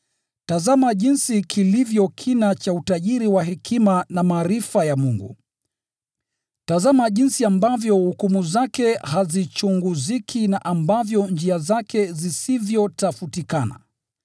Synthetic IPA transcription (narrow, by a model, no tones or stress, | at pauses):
tazamaʄinsikʰilivjɔkʰinat͡ʃautaʄiɾiwaɦɛkʰimanamaːɾifajamuŋɡṵ | tazamaʄinsiambavjɔhukumuzakɛhazit͡ʃuŋɡuzikʰinaʔambavjɔnd͡ʒiazakʰɛzisivjɔtafutikana̰